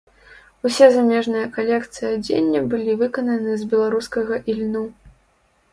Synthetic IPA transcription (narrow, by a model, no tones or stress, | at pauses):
usʲɛzamʲɛʐnɨjɐkalʲɛkt̪sɨjɐd͡zʲḛnʲːɐbɨlʲivɨkɐnɐnɨzbʲɛlˠaɾuskɐɣɐʔilʲnu